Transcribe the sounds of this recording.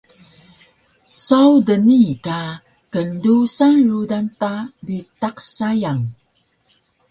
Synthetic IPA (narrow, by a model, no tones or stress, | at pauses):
sawdənika | kəndusanrudantabitaqsajaŋ